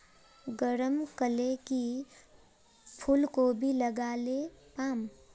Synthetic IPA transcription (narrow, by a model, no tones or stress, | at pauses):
ɡəɾəmkəleki | pʰulkobʱiləɡaːlepaːm